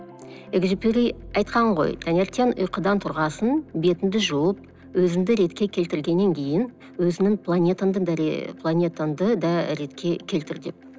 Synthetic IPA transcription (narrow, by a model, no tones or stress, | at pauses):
eɡʒipeɾijɑjt̪̚qɑɴʁo̞̰jt̪ʰanʲeɾt̪enʊ̰jqəd̪ɑnt̪ʰʊɾʁɑsənbe̞t̪ɪnd̪ɪʒuwəp̚ | wɵzɪmd̪ɪɾe̞t̪kʲe̞kʲʰe̞lt̪ɪɾɡʲe̞nːe̞ŋkʲʰe̞jɪn | wɵzɪnɪŋpʰlˠanʲe̞t̪and̪əd̪ɾ̰pʰlˠanʲe̞t̪and̪əd̪ɑɾe̞t̪kʲʰe̞kʲʰe̞lt̪ɪɾd̪ep̚